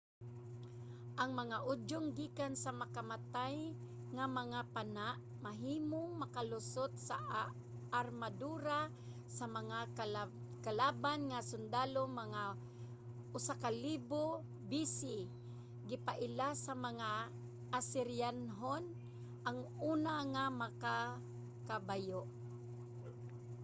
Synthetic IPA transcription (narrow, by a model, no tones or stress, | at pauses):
ʔaŋmaŋaʔʊd͡ʒʊŋɡiːkansamakamat̪aj | ŋamaŋapanaʔ | maɦiːmoŋmakalʊsot̪̚sa | aɾmad̪uːɾa | samaŋa | kalaːbanŋasʊnd̪aːlomaŋa | ʔʊsakaliːbo | bisɪ | ɡɪpaʔɪlasamaŋa | ʔasɪɾjanɦon | ʔaŋʔuːnaŋamaka | kabajoʔ